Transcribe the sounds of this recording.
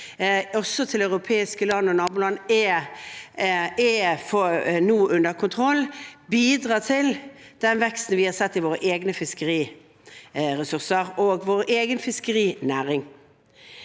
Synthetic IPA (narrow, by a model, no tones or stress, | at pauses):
ɔsɔt̪ʰɪlœʉʁʊpʰeːɪskəlɑnːəɔnɑːbʊːlɑnːɛ | ɛfɔnuːʔʉnd̪əʁkʰʊnt̪ʰʁɔlːbiːd̪ʁɑːt̪ʰɪld̪̥ɛnʋɛkst̪n̩ʋɪhɑsɛt̪ːɪʋoːɾəʔeːɡnəfɪskəɾiː | ɾɛsʉʁsəʁoːɡʋoːʁeːɡənfɪskəɾiːnæːɾɪŋ